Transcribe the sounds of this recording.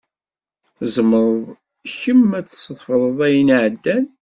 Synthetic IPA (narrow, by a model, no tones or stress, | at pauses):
θəzməɾˤðˤ | çəmːæt͡ssəðˤfəɾˤəðˤæjənʕəd̪ːæn